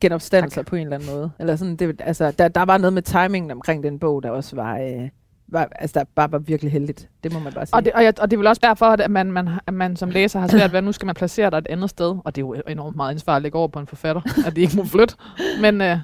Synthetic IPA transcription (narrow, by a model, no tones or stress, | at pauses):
ɡ̥enɒ̽b̥sd̥æn̰l̩sɐpʰɒ̽e̝ːnlæn̩mɔ̽ːð̞ˠelɐs̬ɒ̽nd̥e̝ælsəd̥æd̥ɑ̈ʋɑ̈noːð̞̩ˠmet͡sʰɑ̈ɪme̝ŋn̩ɒ̽mkʰʁeŋ̰d̥enb̥ɔ̽ʊ̰d̥ɑ̈ɒ̽sʋɑ̈ | ʋɑ̈ælsəd̥ɑ̈b̥ɑ̈ːʋɑ̈ʋiɐɡ̥liɦeld̥id̥d̥e̝mɒ̽mænbɑ̈ːsɒ̽deɒ̽jɑɒ̽d̥e̝ʋe̝lɒ̽sd̥æɐ̰fɒ̽deæmænmænæmænsɒ̽mleːsɐhɑ̈sʋæɐ̰d̥ʋænusɡ̥æmænpʰlæse̝̰ːɐɾ̥ɑ̈e̝d̥ænð̞̩ˠsd̥eð̞ˠɒ̽d̥e̝jo̝e̝nɔ̰md̥mɑð̩ˠænsʋɑ̰̈ːlile̝ɡ̥ɒ̰ɐpʰɒ̽e̝nfɒ̽fæɾ̥ɐæd̥ie̝ɡ̥əmoflød̥men